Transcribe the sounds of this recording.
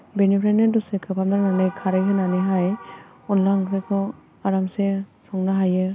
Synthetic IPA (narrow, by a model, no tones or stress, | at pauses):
benipʰɾanedɔsekʰɯpʰamdaɾnanɯjkʰaɾajkʰɯnanɯjɦaj | ɔnlaŋɾɯkʰɔ | aɾamsesɔŋnaɦajɯ